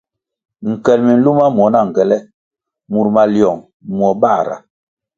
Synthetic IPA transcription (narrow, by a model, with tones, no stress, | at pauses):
ŋ̩˨kɛ˨lmi˨n̩˦lu˦ma˦m˨ɔ˨˦na˦˨ŋ̩˨ɡɛ˨lɛ˦ | mu˨ɾma˨ljɔ˨ŋ | mwɔ˨ba˦˨ɾa̰˨